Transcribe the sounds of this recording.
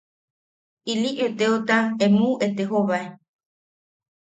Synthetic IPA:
iliʔet̪eot̪aemuet̪eɦoβae

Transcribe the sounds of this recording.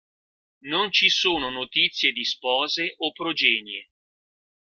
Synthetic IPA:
nont͡ʃisoːnonot̪it̪sːjed̪ispɔːzeʔopːɾod͡ʒɛːnje

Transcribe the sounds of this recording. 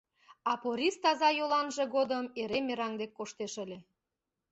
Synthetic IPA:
ɑpoɾʲist̪ɑzɑjolɑnʒĕɣod̪əmeɾemeɾɑŋd̪ekːoʃt̪eʃə̆lʲe

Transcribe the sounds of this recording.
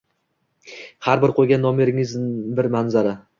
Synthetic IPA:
haɾbɪɾqʰojɡʲanːɒmeɾɪŋɪzbɪɾmanzaɾa

